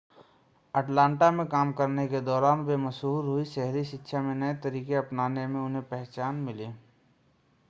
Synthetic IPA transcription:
ɐʈlãːɳʈamẽkaːmkəɾneked̪ɔːɾaːnbeːməsɦuːɾɦʊiʃɛɦɾiʃɪkːʃʰamẽnɐet̪ɐɾiːkeɐpnaːnemẽʊnɦẽpɛɦt͡ʃaːnmɪliː

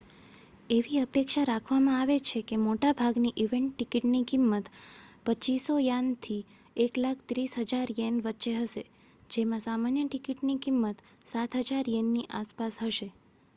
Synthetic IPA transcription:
eʋiəpekʃaɾakʰʋamãaʋet͡ʃʰekemoʈabʱaɡniʔiʋeɳʈːikiʈnikimːət̪pət͡ʃisojant̪ʰi | eklakʰt̪ɾisɦəd͡ʒaɾjenʋətːʃeɦəʃe | d͡ʒemãsamanjəʈikiʈnikimːət̪ | sat̪ʰɦəd͡ʒaɾjenːiʔaspasɦəʃe

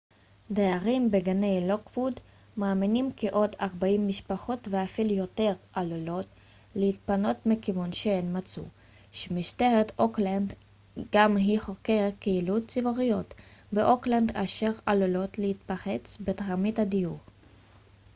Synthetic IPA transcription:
deaʁimbeɡanejlokvud | maːminimkeʔo̞daʁbaimːiʃpaχo̞tveafiljo̞te̞ʁʔalolo̞t | lehit̪̚pano̞tmikivonʃeenmat͡sṵ | ʃemiʃteʁet̪okland | ɡ̥amɦiχokeʁkeilutt͡sivoʁijo̞tbeʔoklanda̰ʃeʁalolo̞tlehit̪paχet͡sbetʁamithadijuʁ

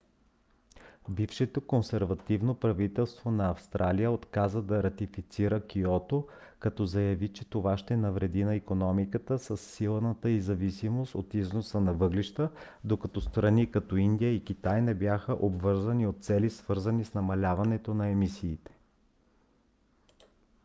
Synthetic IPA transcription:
bifʃɛt̪okonsɛɾvɐt̪ivnopɾɐvit̪ɛlˠst̪vonɐɐfst̪ɾʔalijəot̪kazəd̪ɐɾɐt̪ifit̪siɾəkiɔt̪o | kɐt̪ɔzɐjɐvit͡ʃɛt̪ovaʃt̪ɛnɐvɾɛd̪inɐikonɔmikət̪əsəsːilˠnət̪əizɐvisimost̪ot̪iznosənɐvɤɡliʃt̪ə | d̪okɐt̪ɔst̪ɾɐnikɐt̪ɔind̪ijəik̟it̪ajnɛbjaxəʔobvɤɾzəniot̪̚t̪sɛlisvɤɾzənisnɐmɐlʲavɐnɛt̪onɐɛmisiːt̪ɛ̥

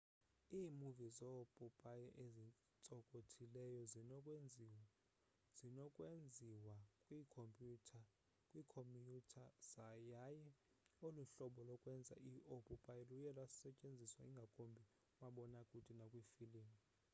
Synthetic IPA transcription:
iːmuvizɔpʼupʼajɛʔezi | t͡sʼɔkʼotʰilɛjɔzinɔkʼei | z̥inɔkʼwend͡zʱiwakʼwiːkʰompʼjutʰa | kʼwiːkʰomjutʰaz̥ajajɛ | oluɬɔɓɔlɔkʼwɛnd͡zʱa̰ʔiʔopʼupʼajɛlujɛlassɛt͡ʃʼend͡zʱiswaiŋɡʱakʼombʱi | umaɓɔnakʼutʼinakʼwifiliːni

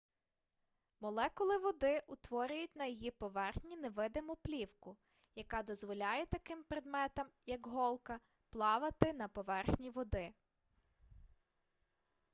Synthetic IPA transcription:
mɔlˠɛkʊlˠɪʋɔd̪ɪʔʊt̪ʋɔɾʲʊjʊt̚ʲnɐjɔjipɔʋɛrxnʲineʋɪd̪ɪmʊplʲiwkʊ | jɐkɑd̪ɔzʋɔlʲɑjɛt̪ɐkɪmpɾed̪mɛt̪ɐmjɐkɦɔlˠkɐ | plˠɑʋɐt̪ɪnɐpɔʋɛrxnʲiʋɔd̪ɪ

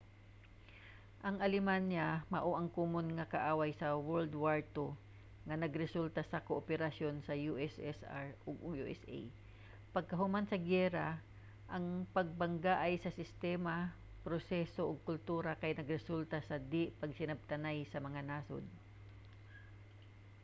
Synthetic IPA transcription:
ʔɐŋʔɐlɪmanːjamɐʔoʔɐŋkuːmonŋɐkɐʔaːwajsɐwɛɹld̪waɹt̪o | ŋɐnɐɡɾɛsult̪ɐsɐkoʔopɛɾɐsjo̞nsɐjuʔɛsɛsa̰ɹoɡujuʔɛsḛj | pɐɡ̚kɐɦʊmansɐɡɛːɾa | ʔɐŋpɐɡ̚bɐŋɡaʔajsɐsɪst̪ɛma | pɾosɛsoʔoɡ̚kʊlt̪uːɾɐkɐjnɐɡɾɛsult̪asɐd̪ɪʔpɐɡ̚sɪnɐb̚t̪ɐnajsɐmɐŋanaːso̰d̪̚

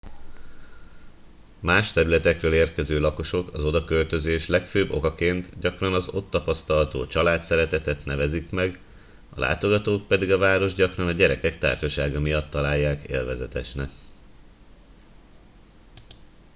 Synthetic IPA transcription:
maːʃt̪ɛɾylɛt̪ɛkrøːleːrkɛzøːlɒko̞ʃo̞kɒzo̞d̪ɒkø̞lt̪ø̞zeːʃlɛkføːbːo̞̰kɒkeːnt̪ɟɒkrɒnɒzo̞t̪ːɒpɒst̪ɒlt̪o̰ːt͡ʃɒlaːt̪sɛɾɛt̪ɛt̪ɛt̪nɛvɛzikmɛɡ | ɒ̰lʔa̰ːt̪o̞ɡɒt̪oːk̚pɛd̪iɡɒvaːɾo̞ʒɟɒkrɒnɒɟɛɾɛkɛkt̪a̰ːrʃɒʃaːɡɒmijɒt̪ːɒlaːjːaːkḛːlvɛzɛt̪ɛ̰ʃnɛk

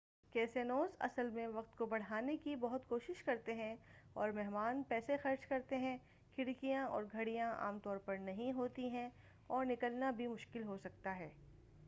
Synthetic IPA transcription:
keːsenoːzɐ̰səlmẽʋɐq̚t̪kobɐɽ̤aːnekibɐɦʊt̪koːʃɪʃkɐɾt̪eɦɛ̃ɔːɾmɛɦmaːnpɛːsexɐɾd͡ʒkɐɾt̪eɦɛ̃ | kʰɪɽkijãɔ̰ːɾɡʱɐɽijãʔa̰ːmt̪ɔːɾpɐɾnɐɦĩɦoːt̪iɦɛ̃ | ɔːɾnɪkəlnabʱimʊʃkɪlɦosɐk̚t̪aɦɛː

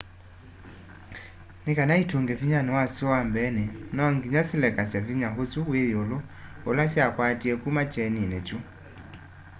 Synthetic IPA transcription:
nɛkanaitʰuŋɡɛviɲanɛwasiwambɛnɛnɔŋɡiɲasilɛkasɛviɲaɦosuwejɔloɔlasiakwatiɛkumat͡ʃɛninɛt͡ʃu

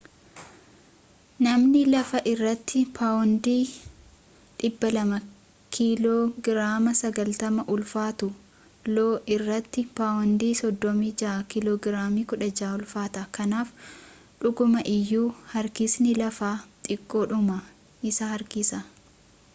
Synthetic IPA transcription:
nɐmnɪlɐfɐʔɪrːɐt̪ːɪpʰaːwɔnd̪iː | ᶑɪbːɐlɐmɐ | kʰiloːɡɪɾaːmɐsɐɡɐlt̪ɐmɐʔʊlfaːt̪ʊ | loːʔɪrːɐt̪ːɪpaːwɔnd̪iːsɔd̪ːɔmiːd͡ʒɐʔkɪloːɡɪɾaːmiːkʊᶑɐd͡ʒaːʊlfaːt̪ɐkɐnaːf | ᶑʊɡʊmɐʔɪjːuːhɐɾkɪsnɪlɐfaːt̪ʼɪkʼːo̞ːᶑʊmɐ | ʔɪsɐhɐɾkɪsɐ

